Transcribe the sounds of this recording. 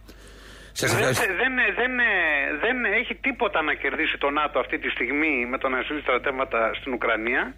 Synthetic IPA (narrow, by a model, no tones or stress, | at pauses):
sɐɐðenðenðe̞ne̞çit̪ipo̞t̪ɐːnɐce̞ɾðisit̪o̞nɐt̪oɐft̪it̪ist̪iɣmime̞t̪onɐsiist̪ɾɐt̪e̞vmɐt̪ɐst̪inukɾɐniɐ